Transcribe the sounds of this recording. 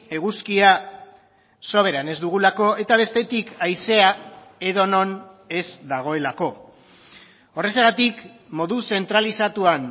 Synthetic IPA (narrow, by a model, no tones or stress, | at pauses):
e̞ɣuskia | so̞β̞e̞ɾane̞zd̪uɣ̞ulako̞e̞t̪aβ̞e̞st̪e̞t̪ikajse̞ae̞ðo̞no̞n | e̞zd̪aɣ̞o̞e̞lako̞ | o̞re̞seɣat̪ik | mo̞ðuse̞nt̪ɾalisat̪uan